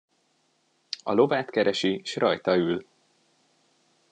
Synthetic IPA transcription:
ɒ̰lo̞vaːt̪kɛɾɛʃiʃrɒjt̪ɒyl

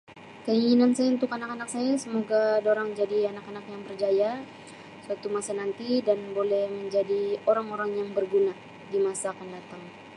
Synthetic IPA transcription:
kəiŋinansajaunt̪ʊkanakanak̚sajasəmoɡadoɾaŋd͡ʒadianakanakjaŋbərd͡ʒaja | swat̪umasanant̪idanbolɛhməɲd͡ʒadioɾaŋoɾaŋjaŋbərɡuna | dimasaːkandat̪aŋ

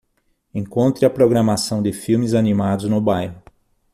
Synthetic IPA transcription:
ẽŋkõnt̪ɾɪɐpɾoɡɾamasɐ̃w̃d̪ɪfiwmɪzanimad̪ʊznʊbajɦʊ

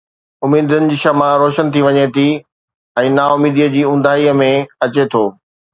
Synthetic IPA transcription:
ʊmiːd̪ənɪ̆d͡ʑiːʃɐmãɾoːʃənt̪ʰiʋɐɲet̪ʰi | ɛ̃ːnaʊmiːd̪iəd͡ʑiːʊ̃n̆d̪ʱaːiəmẽɐt͡ɕet̪ʰoː

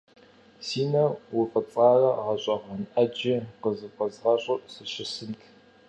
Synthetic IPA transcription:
siːnɐwʊfʼɐt͡sʼɑːrɐʁɐɕʼɐʁʷɐnʔɐd͡ʒɪqəzɨqʷɐzʁɐɕʼɪsɨʃɪsɨntʰ

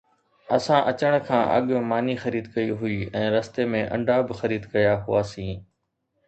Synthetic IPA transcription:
ɐsãʔɐt͡ɕəɽ̃kʰãːʔɐ̰ɠmaːnixɐɾiːd̪kɐiɦʊiːɛ̃ːɾɐst̪emẽʔɐ̰̃ɳɖʱaːbɪxɐɾiːd̪kɐjaɦʊaːsĩː

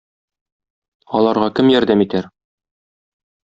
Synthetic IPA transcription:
ɒlˠɑɾʁɑkɘmjɒɾd̪æmit̪æɾ

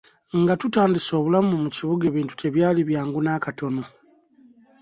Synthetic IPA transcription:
ŋɡatutaːndiso̞ːβulamumuciβuɡe̞ːβiːntu̥tʰe̞βjaːliβjaːŋɡunaːkato̞no̞

